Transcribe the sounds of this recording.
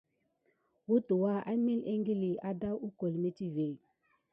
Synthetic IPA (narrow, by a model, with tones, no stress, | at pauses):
wu˦tu˨wa˦a˦mi˦le˦ŋɡi˦li˨a˦da˦wu˦ko˨lme˦t͡ʃi˦ve˨